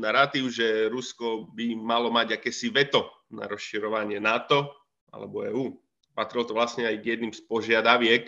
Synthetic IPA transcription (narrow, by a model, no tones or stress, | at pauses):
naɾat̪iːʊʒɛɾuskɔbimalɔmaɟakɛːsiʋɛt̪ɔ | na̰ɾɔsʃiɾɔʋaɲɪɛnat̪ɔ | a̰lɛ̰bɔɛːuː | pat̪ɾilɔt̪ɔʋlast̪ɲɛajɡjɛd̪nimspɔʒɪad̪aʋɪɛk